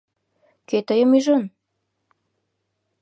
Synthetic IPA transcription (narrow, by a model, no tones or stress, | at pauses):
køt̪əjəmyʒon